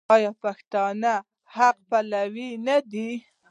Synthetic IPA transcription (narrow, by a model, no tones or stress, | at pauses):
ɑjɑpaxt̪ɑna | haq̚palawinad̪i